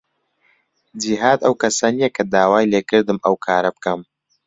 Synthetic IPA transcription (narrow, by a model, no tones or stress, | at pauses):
d͡ʒiɦaːd̪ɐwkɐsɐnijɐkʰɐd̪aːwaːjleːkɨɾd̪ɨmɐwkʰaːɾɐb̚kɐm